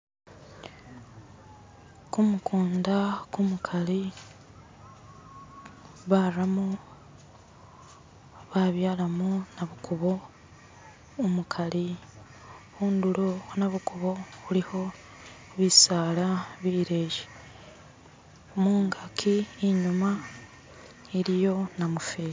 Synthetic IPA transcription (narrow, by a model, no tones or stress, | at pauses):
kumukuːndakumukʰali | βaramo | βaβjaːlamunaβukuβo | mukʰaɾi | huːnduɾonaβukuβo̞βuliho̞ | βisaːlaβiːɾeːʒe̥ | omuːŋɡakʰiːɲuma | iɾijo̞namufeːi